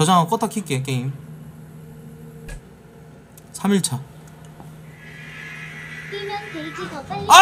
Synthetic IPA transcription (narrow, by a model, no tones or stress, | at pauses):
ʌd͡ʑaŋak͈ʌt͈ʰakʰik͈ek̬eim | sʰamiɭt͡ɕʰa | inɯntɯɭd͡ʑia